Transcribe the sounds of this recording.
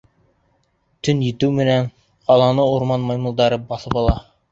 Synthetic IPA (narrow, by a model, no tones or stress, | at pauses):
t̪ɵnjɘ̆t̪ʉwmɘ̆næɴ | qɑlˠɑnɤuɾmɑnmɑjmɤ̆lˠd̪ɑɾɤbɑθɤpɑlˠɑ